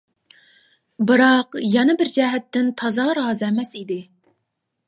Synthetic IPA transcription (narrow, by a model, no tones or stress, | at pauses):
bɨɾɑqjɛnɨbɪɾd͡ʒɛɦɛt̪ːɪnt̪ʰɑzɑɾɑːzɛmɛsid̪ɪ